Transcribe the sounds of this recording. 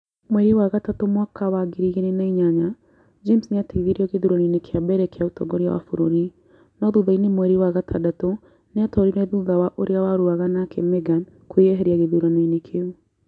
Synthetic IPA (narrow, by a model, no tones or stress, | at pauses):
mwɛɾiwaɣatatomwakʰawaɡiɾiɣeɾenaiɲaɲa | d͡ʒemsneateɣiɣiɾiɔɣeðuɾanenekʰejabɛɾɛkeautɔ̰ɡɔɾia̰wa̰foɾoɾi | nɔðuðainemwɛɾiwaɣatʰadato | neatɔɾiɾɛðuðawaʔoɾeawaɾuaɣanakemɛɡan | kweɛɦɛɾiaɣeðuɾanenekʰeu